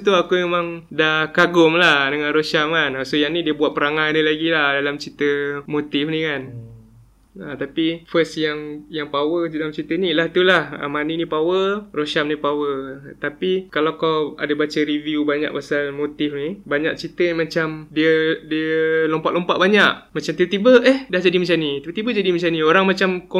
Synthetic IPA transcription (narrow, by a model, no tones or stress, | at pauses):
t̪uakumemãŋdahkaɡʊmlahdəŋãnroʃamkanasojaŋnidiəbuat̪̚pəɾaŋanilaɡilahdalamt͡ʃit̪əmot̪ɪfnikan | ət̪apifəsjaŋjaŋpawədalamt͡ʃit̪ənilaht̪ulahə̰maninĩpawəroʃamnipawət̪apikalawkawa̰dabat͡ʃəɾiviubaɲa̰k̚pasalmot̪ɪfnibaɲaʔ̚t͡ʃit̪ənimat͡ʃamdiədiəlɔmpat̪̚lɔmpaʔ̚baɲaʔmat͡ʃamt̪ibət̪ibəʔɛhdahd͡ʒadimat͡ʃanit̪ibət̪ibəd͡ʒadimat͡ʃanĩoɾaŋmat͡ʃamko